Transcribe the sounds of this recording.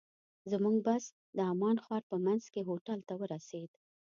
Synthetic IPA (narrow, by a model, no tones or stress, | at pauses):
zəmuŋɡbas | d̪əamɑnxwɑɾpəmanzkeɦoʈalt̪awəɾased̪